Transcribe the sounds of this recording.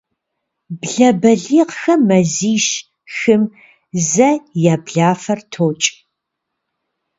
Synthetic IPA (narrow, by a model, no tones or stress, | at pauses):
bɮɐbɐɮiːqxɐmːɐziːʃ | xɨm | zɐjaːbɮaːfɐrtʰoːt͡ʃʼ